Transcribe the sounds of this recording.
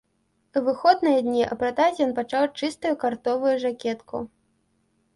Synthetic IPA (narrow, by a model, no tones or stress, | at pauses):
vɨxɔd̪nɨjɛd̪ʲnʲiʔɐ̰pɾɐt̪azʲjɔnpat͡ʂawt͡ʂɨst̪ujukart̪ɔvujuʐakʲɛt̪kʰu